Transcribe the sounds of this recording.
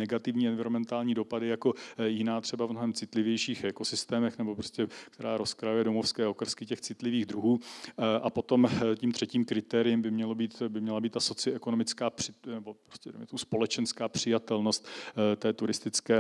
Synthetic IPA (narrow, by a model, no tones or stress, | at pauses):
nɛɡat̪ɪvɲiːɛnvɪɾomɛnt̪aːlɲiːdo̞padɪjako̞jɪnaːt̪r̝̥ɛbavmnoɦɛmt͡sɪt̪lɪvjɛjʃiːxɛko̞sɪst̪ɛːmɛxnɛbo̞pɾo̞scɛk̚t̪ɛɾaːɾo̞skɾajujɛdo̞mofskɛːo̞kr̩skɪcɛxt͡sɪt̪lɪviːɣd̪ɾuɦuːʔapo̞t̪o̞mciːmt̪r̥ɛciːmkɾɪt̪ɛːɾɪjɪmbɪmɲɛlobiːt̪bɪmɲɛlabiːt̪t̪aso̞t͡sɪoʔɛko̞no̞mɪt͡skaːpr̥ɪnɛbo̞pɾoscɛdɛ̰jmɛt̪omuspo̞lɛt͡ʃɛnskaːpr̥ɪjat̪ɛlno̞st̪t̪ɛːt̪uɾɪst̪ɪt͡skɛː